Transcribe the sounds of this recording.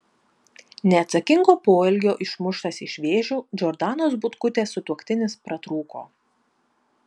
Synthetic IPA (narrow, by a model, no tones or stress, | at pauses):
nʲɛːt̪sɐkʲɪŋɡoːpoːɪlʲɡʲoːʔɪʃmʊʃt̪ɐsɪʃʲʋʲeːʒʲuːd͡ʒʲɔɾd̪ɑːnoːsbʊt̪kʊt̪ʲeːsʊt̪uɔkt̪ʲɪnʲɪspɾɐt̪ɾuːko̰ː